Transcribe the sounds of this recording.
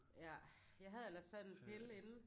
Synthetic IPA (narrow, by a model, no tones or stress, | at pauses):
jæ | jɑ̈ɪɦæð̞̩ˠelɐssæ̥enpʰe̝le̝nn̩